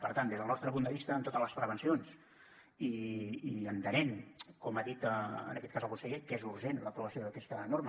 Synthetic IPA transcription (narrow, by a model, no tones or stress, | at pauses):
pəɾt̪and̪ezðəlˠnɔst̪ɾəp̬und̪əβist̪əːmt̪ot̪ələspɾəβ̞ənsions | iiənt̪ənenkɔmaðit̪əə̰nəkɛt̪kazəlˠkunsəʎekezuɾʒenləpɾuβəsioðəkɛst̪ənoɾmə